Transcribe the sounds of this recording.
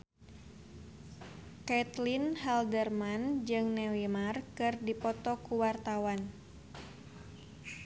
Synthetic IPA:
kɛt̪linhɛldərmand͡ʒɨŋnɛwimarkɨrdipɔt̪ɔkuwart̪awan

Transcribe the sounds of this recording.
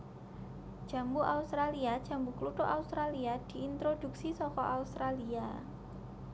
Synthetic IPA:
ʒ̥a̤mbuʔaust̪ɾaliad̥ʒ̥a̤mbukluʈʊʔaust̪ɾaliad̪̥i̤int̪ɾod̥uksisɔkɔʔaust̪ɾalia

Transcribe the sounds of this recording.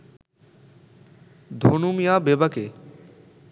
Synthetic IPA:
d̪ʱonumijaːbebəkeː

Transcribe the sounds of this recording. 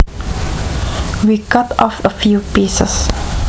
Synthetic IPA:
wiɡɔtɔfəfjuːpisə̰s

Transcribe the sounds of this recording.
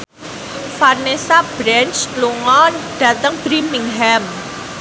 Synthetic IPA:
farnesab̥ɾɛnt͡ʃluŋɔnɖ̥ä̤t̪əŋb̥ɾimiŋɦɛm

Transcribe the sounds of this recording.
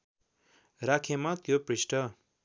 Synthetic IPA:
rakʰemat̪joprisʈʌ

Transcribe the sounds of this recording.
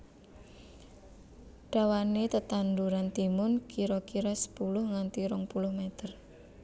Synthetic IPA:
ɖ̥a̤wanet̪ət̪and̪uɾant̪imʊnkiɾɔkiɾɔsə̥pulʊhŋant̪iɾɔŋpulʊhmet̪ər

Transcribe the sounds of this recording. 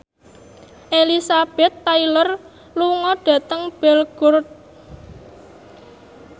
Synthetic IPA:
ʔelisab̥ɛt̪ːailɔr | luŋɔɖ̥ä̤t̪əŋb̥ɛ̤lɡ̥ɔrt̪̚

